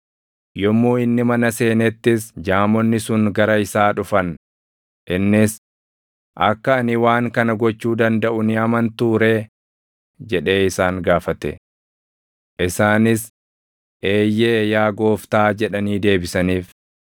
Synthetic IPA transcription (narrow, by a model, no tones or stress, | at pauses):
jɔmːuːɪnːɪmɐnɐse̞ːnɛt̪ːɪsd͡ʒaːmɔnːɪsʊŋɡɐɾɐɪsaːᶑʊfɐn | ʔɪnːɪs | ʔɐkːɐːnɪwaːŋkɐnɐɡɔt͡ʃːuːd̪ɐnd̪ɐʔʊnɪɐmɐnt̪uːɾe̞ː | d͡ʒɛᶑe̞ːɪsaːŋɡaːfɐt̪ɛ̰ | ʔɪsaːnɪs | ʔe̞ːjːɛjaːɡo̞ːft̪aːd͡ʒɛᶑɐniːd̪e̞ːbɪsɐniːf